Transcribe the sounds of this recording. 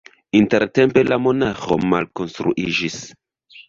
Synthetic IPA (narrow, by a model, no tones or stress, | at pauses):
inte̞ɾte̞mpe̞lamo̞naxo̞̰ma̰lko̞nstɾṵʔid͡ʒis